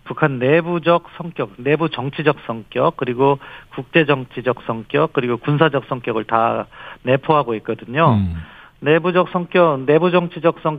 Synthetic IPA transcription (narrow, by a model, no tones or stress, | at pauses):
pukʰanːe̞bud͡ʑʌk̚s͈ʰʌŋk͈jʌk̚ne̞but͡ɕʌŋt͡ɕʰid͡ʑʌk̚s͈ʌŋk͈jʌk͈̚ːɯɾiɡokuk̚t͡ɕ͈e̞d͡ʑʌŋt͡ɕʰid͡ʑʌk̚s͈ʌŋk͈jʌk͈̚ːɯɾiɡokuns̬ʰad͡ʑʌk̚s͈ʰʌŋk͈jʌɡɯɭtane̞pʰoɦaɡoɦek͈ʌdɯɲo | ne̞bud͡ʑʌk̚s͈ʰʌŋk͈jʌne̞bud͡ʑʌŋt͡ɕʰid͡ʑʌk̚s͈ʌŋ